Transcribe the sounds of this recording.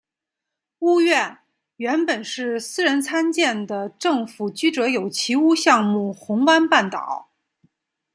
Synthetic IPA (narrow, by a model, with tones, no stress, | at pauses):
u˥ɥɛ˥˩n | ɥɛ˧˥npə˨˩nʂɻ̩˥˩sɹ̩˥ɻə˧˥nt͡sʰa˥nt͡ɕjɛ˥˩nd̪ə˩ʈ͡ʂɤ˥˩ŋfu˨˩t͡ɕy˥ʈ͡ʂɤ˧˥jo˨˩ʊt͡ɕʰi˧˥u˥ɕjɑ˥˧ŋmu˥˩xʊ˧˥ŋkwa˥npa˥˩nt̪ɑ̰˨˩˦ʊ